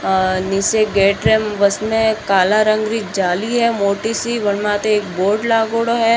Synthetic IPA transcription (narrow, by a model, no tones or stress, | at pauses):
nɪseɡeːʈɾemʋɐsmẽkaːlaɾə̃ŋɡɾid͡ʒaːliɦɛmoːʈisiʋɐɳmãt̪eeːk̚boːɖlaːɡoːɽoɦɛ